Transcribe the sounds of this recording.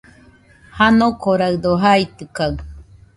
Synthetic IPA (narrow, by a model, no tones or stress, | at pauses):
hanokoɾaɯd̪oɦait̪ɯkaɨ